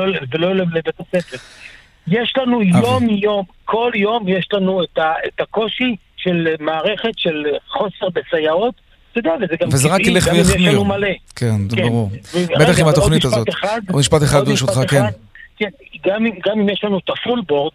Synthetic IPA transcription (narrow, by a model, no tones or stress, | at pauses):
olvelolevlebet̪asefeʁ | jeʃlanujo̞mjo̞m | kʰo̞ljo̞mjeʃlanuet̪aetako̞ʃi | ʃe̞lmaːʁe̞χe̞t̪ʃe̞lχo̞se̞ʁbesajaot | t̪od̪ɛavezeɡamvezeʁakileχvejeeninumale̞kʰenzkbaʁuʁbet̪aχimat̪oχniiʃt̪azot̪eχad̪umiʃpat̪eχad̪bʃut̪χakead̪kenɡamiɡamimjeʃlanuet̪afulbo̞ʁd̪